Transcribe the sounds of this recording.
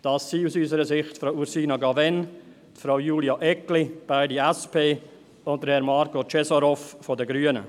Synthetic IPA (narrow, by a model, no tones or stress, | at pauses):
d̥ɑsːiːusyːsəɾəsɪχtfɾauɾsiːnaɡɑvɛn | tfɾaʊjuːljɑʔɛklib̥aɪdiɛspʰeː | ʊnt̚dəɾhɛɾmɑɾkot͡ʃɛsoɾɔffɔdəɡɾyənə̰